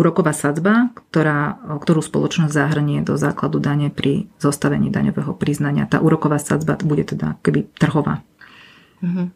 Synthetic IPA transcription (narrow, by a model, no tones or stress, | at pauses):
uːɾɔkɔʋaːsad͡zbakt̪ɔɾaːkt̪ɔɾuːspɔ̰lˠɔt͡ʃnɔzʲzaɦr̩ɲɪɛd̪ɔza̰ːklad̪ud̪aɲɛpɾʔizɔst̪aʋɛɲiːd̪a̰ɲɔʋɛːɦɔpɾiznaɲɪa̰t̪a̰ːʔuːɾɔkɔʋaːsa̰d͡zba̰buɟɛt̪ɛd̪aakɔ̥kɛbit̪r̩ɦɔʋa̰ː | ɦ